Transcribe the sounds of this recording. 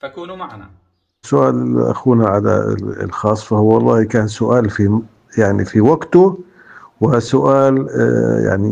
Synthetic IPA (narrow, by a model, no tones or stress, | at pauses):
ʕ | sʊʔaːlɪʔa̰xuːnaʕada̰l̰lxɑːsˤfahwɑlˤːɑːhikaːnsʊʔaːlfi | jaʕnifiwaɡt̪ʊ | wɪsʊʔaːlja̰ʕnḭ